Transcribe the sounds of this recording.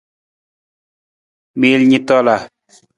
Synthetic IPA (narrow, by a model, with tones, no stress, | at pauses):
me˨lɲi˦˨t̪ɔ˦˨la˨